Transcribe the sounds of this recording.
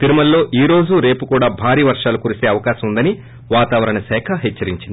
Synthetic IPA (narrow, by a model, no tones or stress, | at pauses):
t̪iɾumɐlːo̞ːʔiːɾo̞ːd͡ʒuɾe̞ːpukuːɽaːbʱaːɾiːʋɐɾʂaːlukuːɾiseːɐʋɐkaːʃɐmund̪ɐni | ʋaːt̪aːʋɐɾɐɳɐsɛːkʰɐɦɛt͡ʃːɐɾiɲt͡ʃind̪i